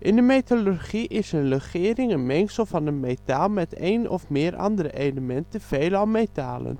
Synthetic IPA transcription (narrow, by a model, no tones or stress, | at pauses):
ʔɪndəmejtolurχiʔɪsənləχɪːɾɪŋənmɛŋksəl̩ˠvɑnənmetaːlˠmɛtejnɔ̰fmɪːɾɑ̰ndəɾəʔejləmɛntəv̥ejlɑlˠmetaːlə̰n